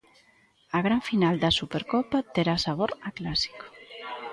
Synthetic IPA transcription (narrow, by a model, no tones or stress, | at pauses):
aɣ̞ɾaɱfinald̪asupeɾkopat̪eɾasaβ̞oɾaklasi̥ko̥